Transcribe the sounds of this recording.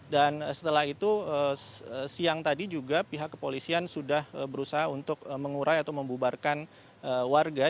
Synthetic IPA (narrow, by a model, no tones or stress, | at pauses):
danəsə̥t̪əlahit̪uəəsiaŋt̪adid͡ʒuɡapiɦakːəpolisiansudahəbəɾusaɦaunt̪ʊk̚əməŋuɾʔajat̪awməmbubarkan | əwarɡa